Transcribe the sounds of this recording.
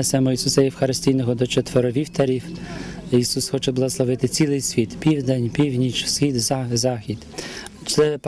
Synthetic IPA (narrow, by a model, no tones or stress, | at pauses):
ɛsɛmɔisusɐjiwxɐɾɪsʲtʲijnɔɦɔd̪ɔt͡ʃet̪ʋɔɾɔʋʲiwt̪ɐɾʲiw | isusxɔt͡ʃɛblˠɐɣɔslˠɔʋɪt̪ɪt͡sʲilˠɪjsʲʋʲit̪pʲiwd̪enʲpʲiwnʲit͡ʃsxʲid̪zɑxʲid̪ | t͡ʃ̪sɛp